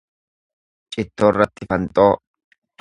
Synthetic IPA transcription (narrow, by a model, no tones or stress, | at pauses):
t͡ʃʼɪt̪ːoːrːɐt̪ːɪfɐnt̪ʼo̞ː